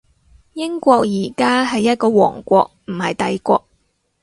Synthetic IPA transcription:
jɪ˥ŋkʷɔː˧k̚jiː˨˩kaː˥ɦɐ˨jːɐ˥t̚kɔː˧wɔ̰ː˨˩ŋkʷɔː˧k̚m̩˨˩hɐ˨jt̪ɐ˨jkʷɔː˧k̚

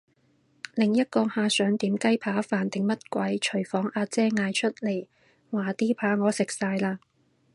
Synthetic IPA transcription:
lɪ˨˩ŋjɐ˥t̚kɔː˧haː˨˧sœː˨˥ŋt̪iː˨˥mkɐ˥jpʰaː˨˥faː˨nt̪ɪ˨˩ŋmɐ˥t̚kʷɐ˨˥jt͡ʃʰɵ˨˩ɥfɔː˨˥ŋaː˧t͡sɛː˥ŋaː˧jt͡ʃʰɵ˥t̚le˨˩j | waː˨t̪iː˥pʰaː˨˥ŋɔː˨˧sɪ˨k̚saː˧jlaː˧

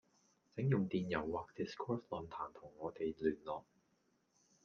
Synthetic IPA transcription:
t͡sɪ˨˥ŋjʊ˨ŋt̪iː˨njɐ˨˩wːaː˨k̚t̪i˨˩skʰɔː˥flɔ˨nt̪ʰaː˨˩nt̪ʰʊ˨˩ŋːɔː˨˧t̪e˨jlyː˨˩nlɔː˨˩ŋ̚

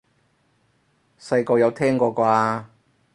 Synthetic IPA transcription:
sɐ˧jkɔː˧jɐ˨˧wt̪ʰɛː˥ŋkɔː˧kaː˧a˧

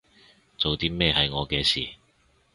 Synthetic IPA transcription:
t͡so˨wt̪iː˥mɛː˥˧ɦɐ˨jŋɔː˨˧kɛː˧siː˨˩

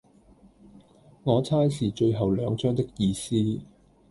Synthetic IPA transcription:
ŋɔː˨˧t͡sʰaː˥jsiː˨˩t͡ʃɵ˧ɥɦɐ˨˩wlœː˨˧ŋt͡ʃœː˥ŋt̪ɪ˥k̚jiː˧siː˥

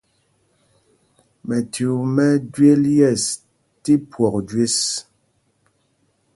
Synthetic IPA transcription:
mɛ˨tu˨mɛ˦dɥe˦ljɛ˦˨s | ti˦pwɔ˨k̚dɥe˦s

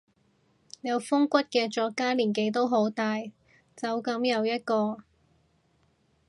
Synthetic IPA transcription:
jɐ˨˧wfʊ˥ŋkʷɐ˥t̚kɛː˧t͡ʃɔː˧kːaː˥liː˨˩nke˨˧jt̪o˥wɦo˨˥wt̪aː˧j | t͡sɐ˨˧wkɐ˨˥mjɐ˨˧wjɐ˥t̚kɔː˧

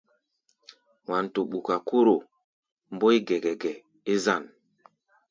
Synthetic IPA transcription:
wa˨n˨to˨ɓu˨ka˨ko˦ɾo˨ | m˦bo˦i˦ɡɛ˨ɡɛ˨ɡɛ˨ | e˦za˦˨n

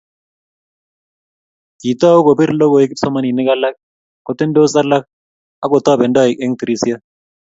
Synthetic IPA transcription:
ki˨t̪a˦u˦ko˨bi˦ɾlo˦ɡo˨e˦kɪ˦psɔ˦ma˦ni˨nɛ˦ka˦la˦k̚ | ko˦t̪ːe˦ndo˦sa˦la˦k̚ | a˦kɔ˨t̪ɔː˦˨bɛ˨ndɔ˦˨ɪ˨kɛ˦ŋt̪i˨ɾi˦si˦a˦

